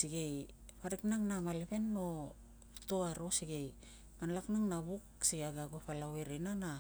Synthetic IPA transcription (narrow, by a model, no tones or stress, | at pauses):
siɡej | paɾeknaŋnamalepe̞nːo | toaɾo̞siɡej | manlaknaŋnaβuksiɡaɡaɡopalaweɾenana